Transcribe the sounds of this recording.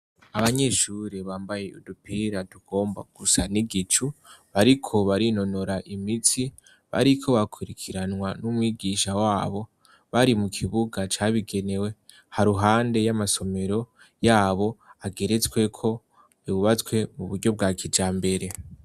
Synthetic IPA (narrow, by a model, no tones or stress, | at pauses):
aβaɲe̞ʃuɾiβaːmbaje̞ṵdupiɾaduɡ̥o̞ːmba̰ɡ̥usaniɡit͡ʃuβaɾikʰo̞βaɾino̞no̞ɾaʔimitʰi | βa̰ɾikʰo̞βakʰuɾikʰiɾanwanumwiːɡiʃawaːβo̞ | βaɾimukʰiβuɡat͡ʃaβiɡe̞ne̞we̞ | haɾuɦaːnde̞jamaso̞me̞ɾo̞ | jaːβo̞aɡe̞ɾe̞t͡swe̞kʰo̞ | iβuβat͡skwe̞muβuɾɟo̞b̚ɡakʰid͡ʒaːmbe̞ɾe̞